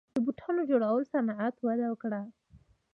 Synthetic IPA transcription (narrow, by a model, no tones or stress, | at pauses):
d̪əbuʈʰɑnod͡ʒoɽawəlsanaat̪wad̪awəkɽa